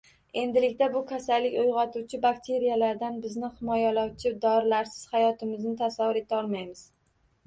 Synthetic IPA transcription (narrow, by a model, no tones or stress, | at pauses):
e̞nd̪ɪlɪkʲt̪abʊkʰʲasalːɪkʲʊjʁɒt̪ʰuwt͡ʃʰɪbakt̪ʰe̞ɾijalaɾd̪anbɪznɪhɪmɒjalawt͡ʃʰɪd̪ɒɾlaɾsɪ̥z̥hajɒt̪ʰɪmɪznɪt̪ʰasavːʊɾe̞t̪ʰaɒlˠmajmɪz̥